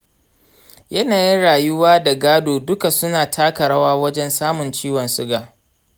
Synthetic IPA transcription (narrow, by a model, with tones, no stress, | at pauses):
jɐ˦naː˨ji˦nɽaː˨jʊ˦waː˦da˨ɡaː˦doː˨dʊ˦ka˨sʊ˦naː˨tʰaː˦kɐ˨ɽa˦waː˦wɐ˦d͡ʒɛ˦nsaː˦mʊ˨nt͡ʃiː˦wɔ˨nsʊ˦ɡaː˨